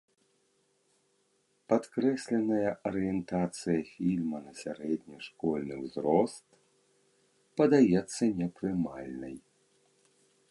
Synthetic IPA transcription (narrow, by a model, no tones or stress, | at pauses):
pat̪kɾɛsʲlʲɛnɐjɐʔɐɾɨjɛnt̪at̪sɨjɐfʲilʲmɐnɐsʲaɾɛd̪ʲnʲiʂkɔlʲnɨwzɾɔst̪ | pɐd̪ajɛt̪sːɐnʲɛpɾɨmalʲnɨj